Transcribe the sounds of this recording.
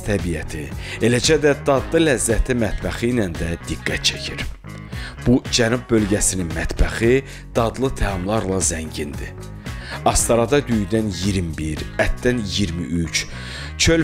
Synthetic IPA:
t̪ʰæbijæt̪ʰie̞læd͡ʒæd̪æd̪ɑd̪lˠɯlæzːæt̪ʰimæt̪bæxijnænd̪æd̪̥iɡːæt̪̚t͡ʃʰæcʰiɾ | b̥ud͡ʒænub̚bø̞lɟæsininmæt̪bæxi | d̪̥ɑd̪lˠɯt̪ʰæɑmlˠɑɾlˠɑzæɲɟind̪ḭ | ɑst̪ɑɾɑd̪ɑd̪yjyd̪ænjiɾmbiɾæt̪d̪ænjiɾmiʔyt͡ʃ | t͡ʃʰøl

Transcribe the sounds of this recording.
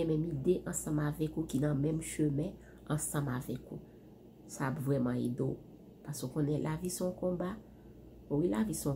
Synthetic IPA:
ɛmɛ̃mid̪eʔɐ̃sɑ̃mavɛkukinɐ̃mɛ̃mʃømɛ̃ | ɑ̃sɑ̃mavɛku | sapvʁɛmɑ̃ḛd̪o | pasokõnɛlʔavisɔ̃kɔ̃ba | owilavisɔ̃

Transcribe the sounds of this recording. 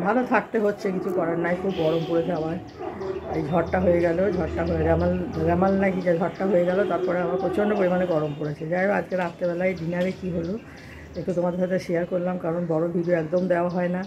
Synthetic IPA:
bʱalot̪ʰak̚t̪eɦotːɕʰekit͡ɕʰukɔɾaɾnajkʰubɡɔɾomkoɾet͡ɕʰeamaɾ | ejd͡ʑʱɔʈʈaɦojeɡɛlod͡ʑʱɔʈʈaɦoeɾamalɾɛmalnajkid͡ʑad͡ʑʱɔʈʈaɦojeɡɛlot̪aɾpɔɾeamaɾpɾɔt͡ɕʰonɖopoɾimaneɡɔɾomkoɾet͡ɕʰed͡ʑaja̰d͡ʑkeɾapt̪ebɛlajɖinaɾekiɦolo | ekʈut̪omad̪eɾʃat̪ʰeʃijaɾkoɾlamkaɾonbɔɾobʱiɖioɛkd̪omd̪eoaɦɔena

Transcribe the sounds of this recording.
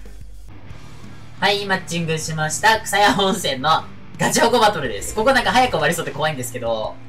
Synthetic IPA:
haimat͡ɕːĩŋɡɯ̟ɕimaɕi̥t̪akɯ̟̥sajaɦõɰ̃sẽ̞nːo̞ | ɡad͡ʑioɡo̞bat̪o̞ɾɯ̟d̪e̞̰sɨ̥ko̞konãŋkaɦajakɯ̟oβaɾʲiso̞ːt̪eko̞aĩnd̪e̞sɨ̥ke̞d̪o̞

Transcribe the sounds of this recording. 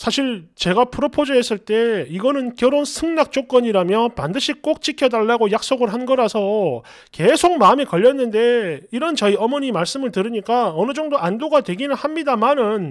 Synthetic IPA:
sʰaɕʰiɭt͡ɕe̞ɡapʰuɾʌpʰod͡ʑʌɦe̞s͈ɯɭt͈e̞iɡʌnɯnkjʌɾonsʰɯŋnak̚t͡ɕ͈ok͈̚ʌɲiɾamjʌpandɯɕʰik͈ok̚t͡ɕ͈ikʰjʌdaɭːaɡojak̚s͈oɡɯɭɦanɡʌɾasʰʌ | ke̞sʰok̚mamikʌʎːʌnːɯnde̞iɾʌnt͡ɕʌiʌmʌɲimaɭs͈ɯmɯɭtɯɾiɲik͈aʌnɯd͡ʑʌŋdoandoɡadwe̞ɡinɯnhamɲidamanɯn

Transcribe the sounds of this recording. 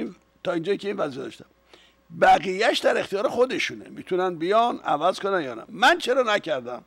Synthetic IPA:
in | t̪ʰɒːind͡ʒɒːjicʰeiːnvæziːjed̪ɒ̰ʃt̪æm | bæɣijæʃd̪æɾext̪ijɒːɾe̞xo̞d̪e̞ʃunḛmit̪ʰunænbijɒnæ̰væzkonænjɒːnæ̰mænt͡ʃʰeɾɒnæcʰæɾd̪æm

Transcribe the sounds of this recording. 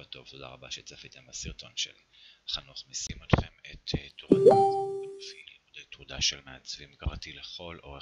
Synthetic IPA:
at̪o̞voda̰ʁabaʃet͡safit̪emasiʁt̪o̞nʃḛli | aχanuχmisimot̪χemet̪ʰtoʁdafilimud̪ejt̪ʁud̪aʃelmeat͡svimɡaʁat̪ileχo̞lo̞̰e

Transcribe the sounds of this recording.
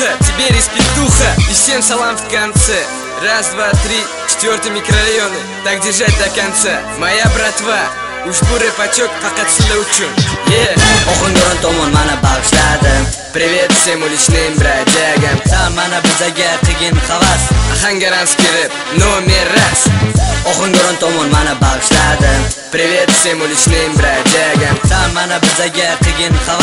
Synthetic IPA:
at̪ʰɪbeɾispʲɪkt̪ʊχaɪsemsalˠamft̪kansɪ | ɾasd̪vat̪ɾɪ | t͡ʃʰɪ̥t̪vʲoɾt̪ɪmɪkɾoɾajon | t̪aɡʲd̪ɪɾʒat̪akʲant̪sa | majabɾat̪va | ʊʃbʊɾepat͡ʃok̚ʲpʰaqɑt̪sɪd̪aʊt͡ʃʰʊnjeɒχɨŋɡoɾɔnt̪ʰɒmɒnmanɪbaʁɨʃlad̪ɪm | pɾɪvʲet̪semolɪʃnɪŋbɾad͡ʒajaɡʲanamːanabɪzaɡʲaqʰɨɡʲɪnχavasaχaŋɡʲaɾanskʲʰeɾɪp̚ | nomeɾasɒχɨŋɡɒɾɒnt̪ʰɒmɒnmanɪbaʁɨʃad̪ɪ | ɾɪvʲet̪sɪemolˠɪʃnɪŋbɪɾad͡ʒajɡʲasamanabɪzaɡʲaqʰɨɡʲɪnχav

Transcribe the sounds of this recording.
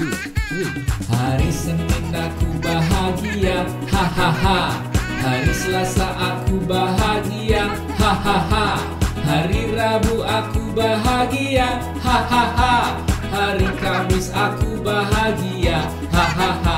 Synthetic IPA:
haɾisənɪnakubaɦaɡia | hahaɦa | haɾisəlasaʔakubaɦaɡia | hahaɦa | haɾirabuakubaɦaɡia | hahaha | haɾikamɪsakubaɦaɡia | haɦaɦa

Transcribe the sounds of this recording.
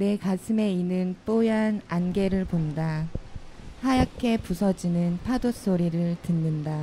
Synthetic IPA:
ne̞kasʰɯme̞inɯnp͈ojananɡe̞ɾɯɭponda | hajakʰe̞pusʰʌd͡ʑinɯnpʰados͈oɾiɾɯɭtɯnːɯnda

